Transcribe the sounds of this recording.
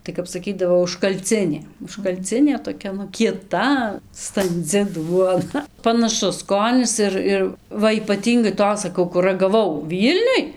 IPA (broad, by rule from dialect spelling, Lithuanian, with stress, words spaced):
tɐɪ kɐp sɐˈkʲiːdɐʋoː ʊʃkɐlʲˈt͡sʲɪnʲeː ʊʃkɐlʲˈt͡sʲɪnʲeː toːˈkʲɛ nʊ kʲiɛˈtɐ stɐnʲˈd͡zʲɪ ˈduɔnɐ pɐnɐˈʃʊs ˈskoːnʲɪs ˈɪr ˈɪr ˈʋɐ iːpɐˈtʲiːŋɡɐɪ ˈtoːs sɐˈkɐʊ kʊr rɐɡɐˈʋɐʊ ˈʋʲiːlʲnʲʊj